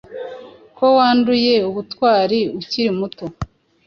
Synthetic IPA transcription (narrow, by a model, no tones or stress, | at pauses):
ko̞waːnduje̞uβutwaːɾiuciɾimuto